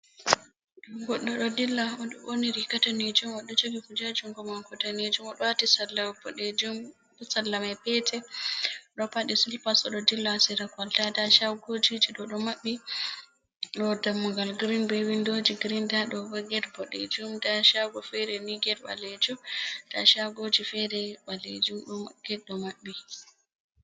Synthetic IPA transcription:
ɗɡɔɗːɔɗɔdilːaɔɗɔɓoniɾikataned͡ʒumɔɗɔd͡ʒoɡikud͡ʒad͡ʒumɡɔmaŋkɔtaned͡ʒumɔɗɔwatisalːabɔɗed͡ʒum | ɔsalːamapɛtʰɛ | ɗɔpaɗisulpasɔɗɔdilːasiɾakaltadaʃawɡod͡ʒid͡ʒiɗɔɗɔmaɓːi | ɗɔdamːuŋɡalɡɾinbɛwindod͡ʒiɡɾindaɗɔbɔɡɛdbɔɗḛd͡ʒumdaʃaɡɔfɛɾɛniɡɛt̚ba̰led͡ʒumta̰ʃawɡod͡ʒifɛɾɛɓalḛd͡ʒumɗɔɡ̥ɛɗːɔmaɓːi

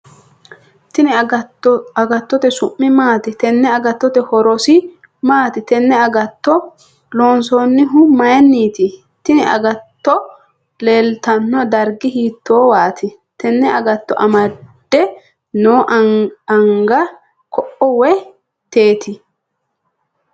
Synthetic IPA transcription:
t̪ɪnɪ | ɐɡɐt̪ːɔt̪ɛsʊmːɪmaːt̪ɪt̪ɛnːɛɐɡɐt̪ːɔt̪ɛhɔɾɔsɪ | maːt̪ɪt̪ɛnːɛɐɡɐt̪ːɔ | loːnsoːnːɪɦʊmɐjɛnːiːt̪ɪ | t̪ɪnɪɐ̰ɡɐt̪ːɔ | leːlt̪ɐnːɔd̪ɐɾɡɪhiːt̪ʰːoːwaːt̪ʰɪ | t̪ɛnːɛɐɡɐt̪ːɔ̰ʔɐmɐd̪̥ːɛ | noːʔɐŋɡɐ | kʰɔʔɔwɛ | t̪e̞ːt̪ʰɪ

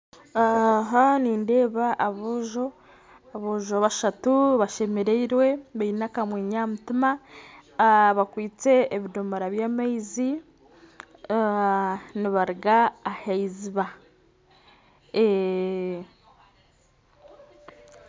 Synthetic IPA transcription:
aɦaniːnde̞ːβaʔːβuʒo̞ | aβuʒoβaʃatuβaʃe̞meɾeiɾwe̞βainakamweːɲamutima | βakwiːt͡se̞ːβidombaɾaβjaːmaizi | niβaɾiɡaːheiziβa | e

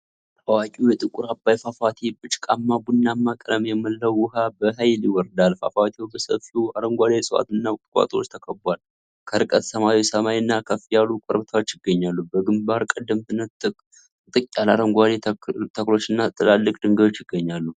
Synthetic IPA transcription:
t̪ʰəwakʼujɛt̪ʼɨkʼʊɾabːajfafat̪ʰebɨt͡ʃʼkʼamːabunːamːakʼɾəmjɛməlːəwːʊhabəɦajliwɔɾd̪alfa̰fat̪ʰiwobəsə̰fiuaɾəŋɡʷad̪esʼɨwa̰t̪ɨnːakʼɨkʷʼa̰t̪ʼo̞t͡ʃːt̪ʰəkʰʼəbʷal | kʰəɾɨkʼət̪səmawisəmajɨnːakʰəfijalukʷʼɔɾbɨt̪ʰawot͡ʃːjɪɡːəɲːalːubəɡɨmbaɾkʼəd̪ːəmt̪ʰɨnːɨɨkʼ | t̪ʼɨkʼːalaɾəŋɡʷad̪et̪ʰəklo̞t͡ʃːɨnːat̪ʰʼɨlalːɨkʼd̪ɨŋɡəot͡ʃːjɪɡ̥ːəɲːalːu

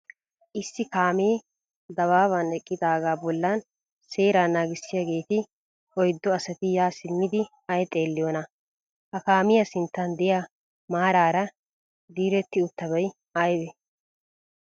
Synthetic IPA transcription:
ʔɪsːɪkaːmeː | d̪ɐβaːβɐnɛkʼːɪd̪aːɡaːbɔlːan | se̞ːɾaːnːaːɡɪsːɪjɐɡe̞ːt̪ɪ | ɔjd̪ːɔɐsɐt̪ɪjaːsɪmːɪd̪ɪ | ɐjɛt̪ʼe̞ːlːɪjoːnɐ | hɐkaːmɪjɐsɪnt̪ːɐnd̪ɛja | maːɾaːɾɐ | d̪iːɾɛt̪ːɪʊt̪ːɐβɐj | ajbɛ

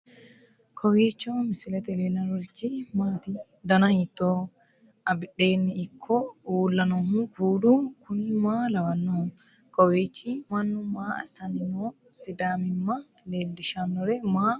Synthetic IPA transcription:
kʰɔwiːt͡ʃːɔmɪsɪlɛt̪ɛleːlɐɾɔɾɪt͡ʃːɪmaːt̪ɪ | d̪ɐnɐhit̪ːoː | ɐbɪᶑeːnːɪɪkʰːɔuːlːɐnɔhʊkuːd̪ukʰʊnɪmaːlɐwɐnːu | kɔwiːt͡ʃːɪmɐnːʊmaːɐ̰sɐnɪno | sɪd̪aːmɪmːɐleːldɪʃanːɔɾɛmaː

